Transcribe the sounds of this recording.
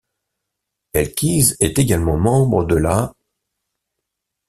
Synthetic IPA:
ɛlkʲizɛt̪eɡalmɑ̃mɑ̃bʁəd̪əla

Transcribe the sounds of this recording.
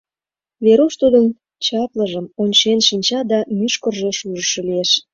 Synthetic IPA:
βeɾoʃt̪ud̪ən | t͡ɕɑp̪ləʒəmonʲt͡ɕenʃənʲt͡ɕɑd̪ɑmyʃkərʒeʃuʒəʃolieʃ

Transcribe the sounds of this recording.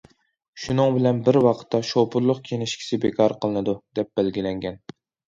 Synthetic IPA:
ʃunɨŋbɪlɛnbɪɾwɑqʰt̪ːɑʃopʰuɾlˠʊq̚kʲʰenɪʃkʲʰi̥sɪbekʰɑɾqʰəlˠɨnɨd̪ud̪̥ɛp̚b̥ælɡʲilɛŋɡʲɛn

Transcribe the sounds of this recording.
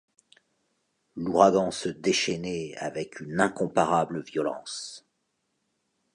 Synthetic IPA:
luʁaɡɑ̃səd̪eʃɛnɛa̰vɛkʰynɛ̃kɔ̃paʁabləvjɔlɑ̰̃s

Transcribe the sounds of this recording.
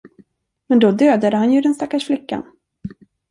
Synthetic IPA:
mɛnd̪ɔd̪øːd̪ad̪əhanjɵd̪ɛnst̪akːaʂflɪkːa̰n

